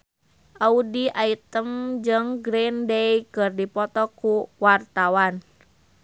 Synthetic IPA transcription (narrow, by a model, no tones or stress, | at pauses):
ʔaudiʔait̪əmd͡ʒɨŋɡɾindejkɨrdipɔt̪ɔkuwart̪awan